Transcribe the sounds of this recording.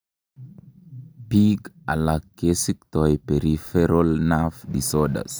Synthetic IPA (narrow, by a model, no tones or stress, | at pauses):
piɡa̰lakːesik̚tɔjpeɾifɛɾolnafdisɔɗa̰s